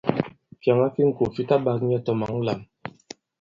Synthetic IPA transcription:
kja˨ŋa˦fi˦ŋ̩˦˨ko˨fi˦ta˦ba˨˦k̚ɲɛ˦tɔ˨ma˨ŋ̩˦la˨m

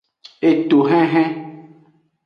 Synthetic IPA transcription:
e˨t̪o˨ɦɛ̃˦ɦɛ̃˦

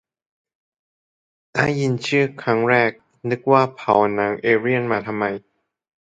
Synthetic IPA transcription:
ʔa̰ː˧˥˩ji˧nt͡ɕʰɯː˥˩kʰɾa˦˥ŋɾɛː˥˩k̚ | nɯ˦˥k̚waː˥˩pʰa˨˦wnaː˨˦˥ŋʔeː˧ɾi˥˩ənmaː˧t̪ʰa˧mːa˧j

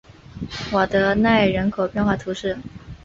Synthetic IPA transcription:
wɔ˨˩d̪ə˧˦na˥˩ɪɻə˧˥nkʰo˨˩ʊpjɛ˥˧nxwa˥˩t̪ʰu˧˥ʂɻ̩˥˩

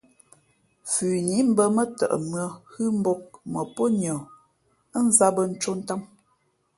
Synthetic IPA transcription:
fʉː˨ɲi˨˦m̩˦bə˦mə˦tə̰˨ʔə̰˨mɰə˨hɨ˦m˦bo˦k̚mə˨po˦ɲɔ˨˦ | n̩˦za˦bə˦n̩˦t͡ʃo˦n̩˦ta˦m

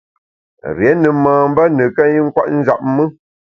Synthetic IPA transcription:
ɾjɛ˨˦nɨ˨maː˨m̩˦bə˦nɨ˨kə˦i˦ŋ̩˦kwa̰˦ʔn̩˦za̰˨p̚mɨ˦

